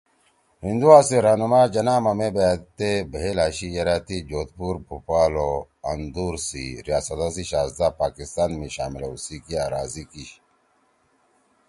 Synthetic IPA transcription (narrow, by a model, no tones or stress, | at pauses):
hind̪uwaːseɾaːnumaːd͡ʑɐnaːmɐmebaːt̪ebeɦelaːɕijɐɾaːt̪id͡ʑoːt̪̚puɾbʱupaːlo | ɐnd̪uːɾsḭɾijaːsɐt̪aziɕaːsd̪apaːkist̪aːnmiɕaːmilausikiaɾaːzikiɕ